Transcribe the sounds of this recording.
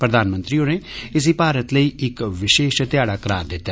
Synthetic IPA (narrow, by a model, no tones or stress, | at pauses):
pɾəd̪aːnmə̃nt̪ɾioːneɪs̬ipaːɾət̪ləiːɪkʋɪʃeːʃt̪jaːɽaːkəɾa̰ːɾd̪ɪt̪ːa